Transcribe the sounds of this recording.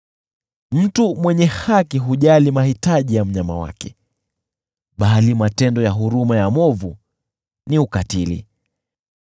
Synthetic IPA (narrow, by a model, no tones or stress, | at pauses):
m̩tumwɛɲɛhakiɦuʄalimahitaʄijam̩ɲama̰wa̰kɛ̥ | ɓalimatɛndɔjaɦuɾumajamɔvu | niukatilḭ